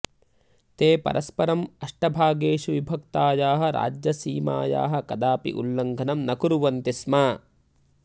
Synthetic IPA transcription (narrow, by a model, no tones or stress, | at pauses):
t̪eːpɐ̰ɾʔɐspɐɾɐmɐʂʈɐbʱaːɡeːʂuʋibʱɐkt̪aːjaːɦɐ̆ɾa̰ːd͡ʒjɐsiːma̰ːja̰ːɦɐ̆kɐd̪aːpḭʔulːɐŋɡʱɐnɐmnɐkuɾuʋɐnt̪ismaː